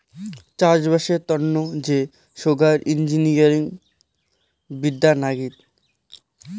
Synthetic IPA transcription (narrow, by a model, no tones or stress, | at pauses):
t͡ɕad͡ʑbaʃeɾt̪ɔnːod͡ʑe | ʃoɡʱaɾind͡ʑiniaɾiŋ | bid̪ːanaɡit̪